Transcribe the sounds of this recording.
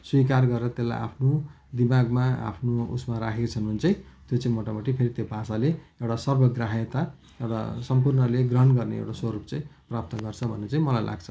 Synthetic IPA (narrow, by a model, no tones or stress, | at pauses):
swikarɡʌɾeɾʌt̪elːa̰jʔa̰pʰno | d̪imaɡmaa̰pʰnoṵsmaɾakʰekot͡sʰʌnunt͡saĩt̪jot͡saĩmoʈamoʈipʰeɾit̪jobʱasaleewʈasʌrbʱʌɡraɦjet̪a | ewʈa̰sʌmpurnʌleɡrʌɦʌnɡʌrneḛwʈaswʌɾup̚t͡saĩprap̚t̪ʌɡʌrt͡sʰʌbʱʌnːet͡saĩmʌlajla̰ɡt͡sʰʌ̥